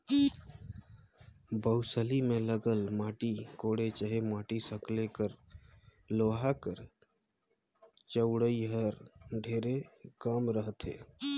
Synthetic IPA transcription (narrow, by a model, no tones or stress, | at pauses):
bəʊsəlimẽləɡəlmaːʈikoːɽet͡ʃəɦemaːʈisəklekəɾ | loːɦakəɾ | t͡ʃəʊɽəiɦəɾɖʱeːɾekaːmɾəɦət̪ɦḛː